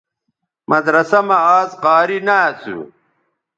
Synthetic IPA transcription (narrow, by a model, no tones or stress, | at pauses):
mʔɐd̪ɾɐsɐmɐaːzqaːɾinaːt͡sṵ